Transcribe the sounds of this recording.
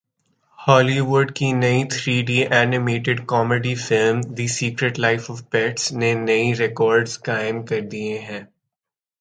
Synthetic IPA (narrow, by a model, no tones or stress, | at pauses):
hɔːliʋʊɾɖkinɐit̪ʰɾiːɖiʔɛːnɪmeːʈɪɖkɔːmeɖifɪlmd̪isiːkɾeʈlaɪfɔʋpɛːʈsnenɐiɾɛkɔːɾɖzkaːɪ̃mkɐɾd̪ieɦɛ̃ː